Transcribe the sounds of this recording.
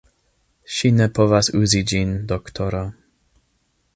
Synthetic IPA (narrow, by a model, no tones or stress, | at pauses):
ɕinɛpʰɔvasuzid͡ʑind̪ɔkt̪ʰɔɾa